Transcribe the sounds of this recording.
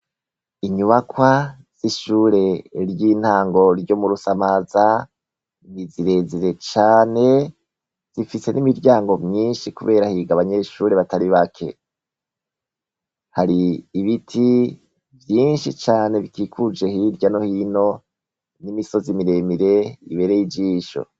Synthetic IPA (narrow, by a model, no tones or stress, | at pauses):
iɲuβakwaz̥iʃuːɾe̞ɾjiːn̥haːŋɡo̞ɾɟo̞muɾusamaza | niziɾe̞ziɾe̞t͡ʃaːne̞ | z̥ifise̞nimiɾɟaːŋɡo̞mɲiːnʃikuβe̞ːɾahiɡaβaɲe̞ʃuːɾe̞βataɾiβakʰe̞̰ | haɾiːβitʰi | vjiːnʃit͡ʃaːne̞βikʰikʰud͡ʒe̞hiɾɟano̞hiːno̞ | nimiso̞zimiɾe̞miɾe̞iβe̞ːɾejid͡ʒiːʃo̞̰